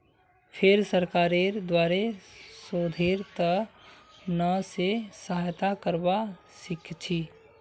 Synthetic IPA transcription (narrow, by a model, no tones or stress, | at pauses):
pʰɪɾsəɾkaːɾeɾd̪waːɾesoːd̪ʱeːɾt̪ə | nəsesəɦajt̪akəɾba | sɪkʰt͡ʃʰi